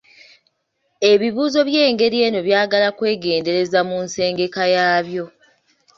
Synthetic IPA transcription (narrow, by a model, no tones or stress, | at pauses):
e̞βiβuːzo̞βje̞ːŋɡe̞ɾie̞ːno̞βjaːɡalakwe̞ːɡe̞ːnde̞ɾe̞zamunse̞ːŋɡe̞kajaːβjo̞